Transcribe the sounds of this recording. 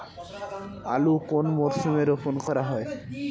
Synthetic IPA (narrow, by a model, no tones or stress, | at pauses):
a̰lukonmoɾʃumeɾopʰonkɔɾaɦɔe